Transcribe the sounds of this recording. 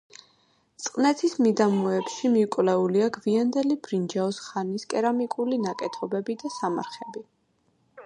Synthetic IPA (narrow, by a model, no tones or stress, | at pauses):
t̪sʼqʼnɛt̪ʰismid̪amɔɛpʃimiukʼvlɛuliaɡviand̪ɛlibɾind͡ʒɛɔsχaniskʼɛɾamikʼulinakʼɛt̪ʰɔbɛbid̪asama̰ɾχɛbi